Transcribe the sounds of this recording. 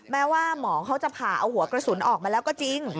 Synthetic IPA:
mɛː˦˥waː˥˩mɔː˩˦ŋkʰa˦˥wt͡ɕa˨˩pʰaː˨˩ʔa˧whu˨˩˦ɐkɾa˧su˩˦nʔɔː˨˩k̚maː˧lɛː˦˥kɔː˥˩t͡ɕi˧ŋ

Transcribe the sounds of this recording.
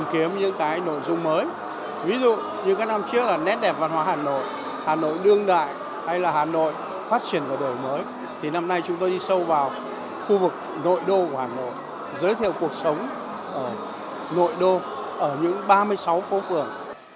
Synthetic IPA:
mki˨˦əmɲɨ̰˧˥ŋkaː˨˦jno̰˧˨jzʊ˧ŋ͡mməː˨˦j | vi˨˦zṵ˧˨ | ɲɨ̰˧˥ŋkaː˨˦jna˧mt͡ɕɨ˦˥ək̚laː˨˩nɛ˦˥t̚ɗɛ˨˩p̚vaː˧˨nhwaː˨˧˦haː˨˩no̰˧˨j | haː˨˩no̰˧˨jɗɨ˧əŋɗa̰ː˧˨j | ha˧jlaː˨˩ɦaː˨˩no̰˧˨j | faː˦˥t̚t͡ɕi˧˩ənkaː˧˩ɗəː˨˩jməː˨˦j | t̪ʰi˨˩na˧mna˧jt͡ɕʊ˨˦ŋ͡mt̪o˧jɗi˧sə˧wvaː˨˩w | xu˧vɨ˨˩k̚ | no̰˧˨jɗo˧khaː˨˩no̰˧˨j | zəː˨˦jt̪ʰḭ˧˨əwku˨˩ək̚sə˨˦wŋ͡m | ʔəː˧˩ | no̰˧˨jɗo˧ | ʔəː˧˩ɲɨ̰˧˥ŋɓaː˧mɨ˧əjsa˨˦wfo˨˦fɨ˨˩əŋ

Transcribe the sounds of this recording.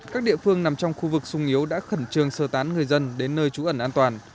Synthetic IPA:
kaː˦˥k̚ɗḭ˧˨əfɨ˧əŋna˨˩mt͡ɕɔ˧wŋ͡mxu˧vɨ˨˩k̚sʊ˧ŋ͡mʔi˨˦əwɗa̰ː˧˥xə˧˩nt͡ɕɨ˨˩əŋsəː˧˩t̪aː˨˦nŋɨ˨˩əjzə˧nɗe˨˦nːəː˧jt͡ɕu˨˦ʔə˧˩nʔaː˧nt̪waː˨˩n

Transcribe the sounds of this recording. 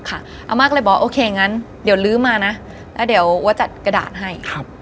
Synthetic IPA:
kʰa˥˩ | ʔa̰˧˩maː˧˩k̚lɤː˧˩jbɔː˨˦ʔoː˧kʰeː˧˨ŋa˦˥n | di˩˦wlɯː˦˥maː˧na˦˥ | lɛː˦˥wdi˨˩˦wu˧˦t͡ɕa˨˩t̪̚ka˧da̰ː˨˩t̪̚ɦa˥˩jkʰa˦˥p̚

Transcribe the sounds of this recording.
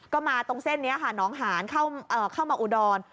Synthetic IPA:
kkɔː˥˩maː˧t̪o˧ŋse˥˩nːi˦˥ɐkʰa˥˩nɔː˦˥ŋɦaː˩˦nkʰa˥˩wʔɤː˨˩kʰaː˥˩wmaː˧ʔu˧dɔː˧n

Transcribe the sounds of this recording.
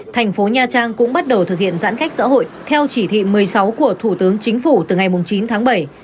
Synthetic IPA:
t̪ʰa˨˩jŋ̟fo˨˦ɲaː˧t͡ɕaː˧ŋkʊ̰˧˥ŋ͡mɓa˦˥t̚ɗə˨˩wt̪ʰɨ˨˩k̚hḭ˧˨ənza̰ː˧˥nka˦˥jk̟̚sa̰ː˧˥ɦo̰˧˨jt̪ʰɛ˧wt͡ɕi˧˩t̪ʰḭ˧˨mɨ˨˩əjsa˨˦wku˧˩ət̪ʰu˧˩t̪ɨ˨˦əŋt͡ɕï˨˦ŋ̟fu˧˩t̪ɨ˨˩ŋa˨˩jmʊ˨˩ŋ͡mt͡ɕi˨˦nt̪ʰaː˨˦ŋɓə˧˩j

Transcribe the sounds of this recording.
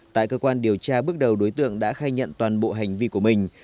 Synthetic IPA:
t̪a̰ː˧˨jkəː˧kwaː˧nɗi˨˩əwt͡ɕaː˧ɓɨ˦˥ək̚ɗə˨˩wɗo˨˦jt̪ɨ̰˧˨əŋɗa̰ː˧˥xaː˧jɲə̰˧˨nt̪waː˨˩nɓo̰˧˨ɦa˨˩jŋ̟vi˧ku˧˩əmï˨˩ŋ̟

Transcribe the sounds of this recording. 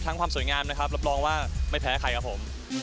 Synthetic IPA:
t̪ʰa˦˥ŋkʰwaː˧msu˨˩˦jŋaː˧mna˦˥kʰa˦˥ɾa˦˥p̬̚ɾɔː˧ŋwaː˥˩ma˥˩jpʰɛː˦˥kʰa˧˩jkʰa˦˥pʰo˩˦m

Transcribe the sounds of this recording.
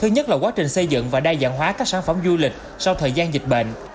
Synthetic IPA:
t̪ʰɨ˧ɲə˦˥t̚laː˨˩kwaː˨˦t͡ɕï˨˩ŋ̟sə˧jzɨ̰˧˨ŋvaː˨˩ɗaː˧jza̰ː˧˨nɦwaː˨˦kaː˦˥k̚saː˧˩nfə˧˩mzu˧lï˨˩k̟̚ | sa˧wt̪ʰəː˨˩jzaː˧nzï˨˩k̟̚ɓḛ˧˨n

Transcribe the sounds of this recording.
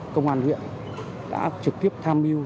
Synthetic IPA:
kə˧wŋ͡mʔaː˧nhwḭ˧˨ən | ɗa̰ː˧˥t͡ɕɨ˨˩k̚t̪i˦˥əp̚t̪ʰaː˧mʔi˧əw

